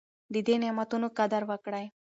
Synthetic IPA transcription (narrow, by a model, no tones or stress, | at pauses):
d̪id̪enɛmat̪unukad̪aɾʋakɽaj